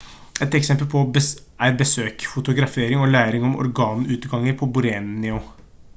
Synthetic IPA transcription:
ɛt̪ɛksɛmpəlpʰɔbə | æɪɾbəsøːkfʊt̪ʊɡɾɑfeːɾɪŋɔlæːɾɪŋɔmɔ̰ɾɡɑːnʉːt̪ɡɑŋːəɾpʰɔbʊɾeːnɪʊ

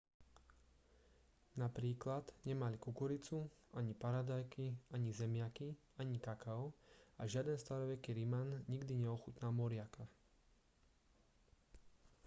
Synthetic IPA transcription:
napɾiːklad̪ɲɛmalikukɔɾit͡suaɲipaɾad̪ajkiaɲizɛmɪaki | aɲikakaʊaʒɪad̪ɛnst̪aɾɔʋɛkiɾimanɲiɡd̪iɲɛɔxut̪namɔɾɪakʰa

